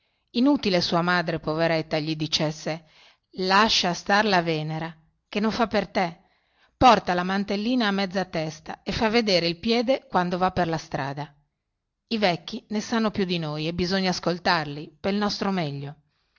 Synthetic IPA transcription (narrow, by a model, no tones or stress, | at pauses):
inut̪ilesuːamaːd̪ɾepoveɾɛt̪ːaʎid̪it͡ʃɛsːe | laʃːast̪arlavɛːneɾa | kenːoɱfapːert̪e | pɔrt̪alamant̪elːiːnaːmːɛd̪zːat̪ːɛst̪aefːavːed̪eːɾeilpjɛːd̪ekwand̪ovapːerlast̪ɾa̰ːd̪a | ivɛkːinesanːopjud̪inojebizoɲːaːskolt̪arlipelnɔst̪ɾomɛʎːo